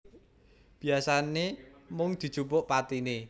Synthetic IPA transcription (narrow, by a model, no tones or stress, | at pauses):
b̥i̤asanemʊŋd̪̥i̤̥t͡ʃupʊʔpat̪ine